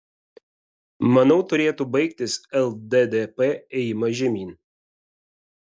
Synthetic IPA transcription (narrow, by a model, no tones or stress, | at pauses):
mɐnɐʊt̪ʊɾʲeːt̪uːbɐɪk̚t̪ʲɪsɛlˠd̪ɛd̪epeɛjmɐʒʲɛmʲiːn